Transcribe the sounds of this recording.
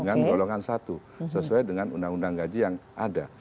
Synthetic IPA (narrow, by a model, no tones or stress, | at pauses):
ŋanɡoloŋansat̪u | səsuajdəŋanundaŋundaŋɡad͡ʒijaŋʔada